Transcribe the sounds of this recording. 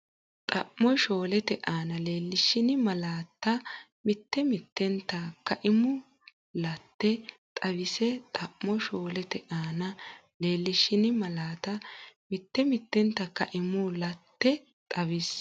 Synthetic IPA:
t̪ʼɐʔːɔjʃoːlɛt̪ɛʔaːnɐle̞ːlːɪʃɪnɪmɐlaːt̪ːɐ | mɪt̪ːɛmɪt̪ːɛnt̪ːɐkɐʔɪmʊ | lɐt̪ːɛ | t̪ʼɐβɪsɛt̪ʼɐʔːɔjʃo̞ːlɛt̪ɛʔaːnɐ | le̞ːlːɪʃɪnɪmɐlaːt̪ɐmɪt̪ːɛmɪt̪ːɛnt̪ːɐkɐʔɪmʊlɐt̪ːɛ | t̪ʼɐwɪs

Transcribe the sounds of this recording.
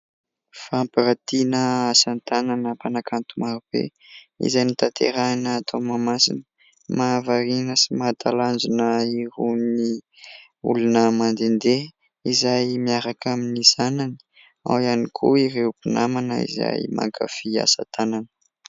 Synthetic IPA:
fampiɾat̪inəasant̪ananəpanakʰant̪umaɾub̥ḛ | ḭzajnit̪at̪ʰḛɾanəːt̪ʰomamasḭnə | mavaɾinəsimat̪ʰaland͡ʒinəiɾuni | ṵlunəmand̪end̪e | izajmiaɾakaminiz̥anani̥ | a̰wianikʰuiɾewpinamanə̰ḭza̰jma̰ŋkʰa̰fia̰sa̰t̪ʰananə̥

